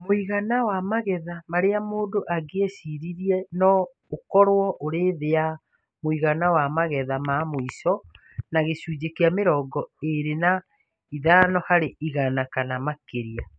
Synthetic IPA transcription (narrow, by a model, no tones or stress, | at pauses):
moiɣanawamaɣɛðamaɾeamoːndoʔaɡeesiɾiɾiɛnɔ | okɔɾwɔʔoɾeðea | moiɣanawamaɣɛðamamoisɔ | naɣeɕuːd͡ʑekeameɾɔɡɔeɾena | iðanɔhaɾeʔiɣanakanamakeɾia